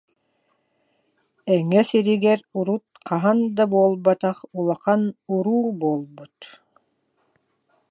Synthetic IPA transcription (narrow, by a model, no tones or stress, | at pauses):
ɛŋɛsiɾiɡɛɾuɾut̪̚qʰɑɦand̪abuɔlˠbat̪ɑχulˠaqanuɾuːbuɔlˠbut̪